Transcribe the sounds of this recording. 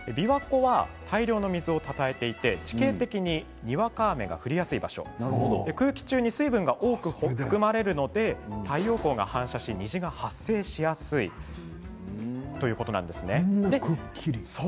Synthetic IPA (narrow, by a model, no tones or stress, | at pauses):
ebʲiβako̞βat̪ʰaiɾʲo̞ːno̞mʲizɨo̞t̪at̪ae̞t̪e̞it̪e̞t͡ɕi̥keːt̪e̞kʲiɲ̟i | ɲ̟iβakaːme̞ɡa̰ɸɯ̟ɾʲijasɨibaɕo̞̰nd̪e̞kɯ̟ːkʲi̥t͡ɕɨːɲ̟isɨibɯ̟̃ŋɡaʔo̞ːkɯ̟hoɸɯ̥kɯ̟maɾe̞ɾɯ̟no̞d̪e̞t̪ʰaijo̞ːko̞ːɡa̰hãɰ̃ɕaɕiɲ̟iʑiɡahasːe̞ːɕijasɨi | t̪o̞jɯ̟ːko̞t̪o̞nã̰nd̪e̞sɨne̞d̪e̞